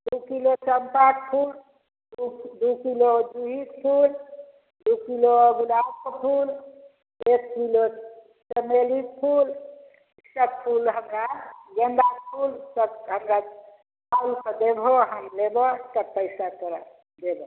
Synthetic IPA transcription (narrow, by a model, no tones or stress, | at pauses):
d̪ukilot͡ʃəmpak̚pʰul | d̪ukilod̪uɦikpʰul | d̪ukiloɡulakopʰul | ekːkilo | t͡ʃəmelik̚pʰul | sək̚pʰulɦəmɾaɡend̪akpʰult̪əkɦəmɾa | paɾikəd̪ebʱoɦəmlebɔt̪ək̚pəjsakəɾa | d̪ebo